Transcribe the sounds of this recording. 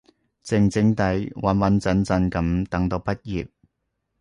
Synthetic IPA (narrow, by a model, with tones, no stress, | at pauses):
t͡sɪ˨˩ŋt͡sɪ˨˧˥ŋt̪ɐ˨˥jwɐ˨˥nwɐ˨˥nt͡sɐ˨˧nt͡sɐ˧nkɐ˨˧mt̪ɐ˨˥ŋt̪o˧wpɐ˥t̚jiː˨p̚